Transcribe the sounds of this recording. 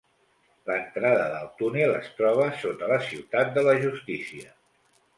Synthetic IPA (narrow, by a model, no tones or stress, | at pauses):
lənt̪ɾaðəðəlˠt̪unelə̰st̪ɾɔβ̞əsot̪ələsiwt̪at̪̚d̪ələʒust̪isiə